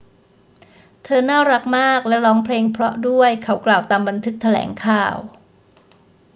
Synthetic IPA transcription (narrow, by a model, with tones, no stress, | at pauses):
t̪ʰɤː˧naː˥˩ɾa˦˥k̚maː˥˩k̚lɛ˦˥ɾɔː˦˥ŋpʰleː˧ŋpʰɾɔ˦˥du˥˩əjkʰa˦˥wklaː˨˩wt̪aː˧mba˧nt̪ʰɯ˦˥k̚t̪ʰa˧lɛ̰ː˩˦ŋkʰaː˧˩w